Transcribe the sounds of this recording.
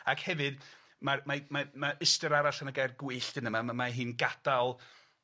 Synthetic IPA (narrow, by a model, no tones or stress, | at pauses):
akhɛvɨd | marmamamaʔɪstəɾaɾaɬanaɡajrɡwɨɬd̥ɨnəmaamaɦɨːnɡad̥alˠ